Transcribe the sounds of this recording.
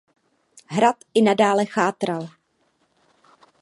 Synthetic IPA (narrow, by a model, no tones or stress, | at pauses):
ɦɾat̪ɪnadaːlɛxaːt̪ɾal